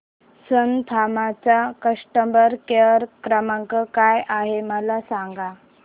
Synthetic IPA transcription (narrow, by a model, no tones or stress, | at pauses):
sənt̪ʰamat͡sakəʂʈəmbəɾkeɾkɾəməŋkəkajaɦeməlasaŋɡa